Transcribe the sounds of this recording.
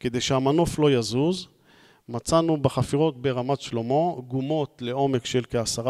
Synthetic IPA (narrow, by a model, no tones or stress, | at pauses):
ked̪ejʃeamano̞flo̞jazuz | mat͡sanubeχafiʁo̞t̚be̞ʁamatʃlo̞mo̞ɡumo̞tle̞o̞me̞kʃe̞lkeasaʁa